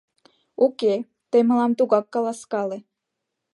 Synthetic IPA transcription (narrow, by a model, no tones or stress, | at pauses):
uke | t̪eməlɑmt̪uɣɑkːɑlɑskɑle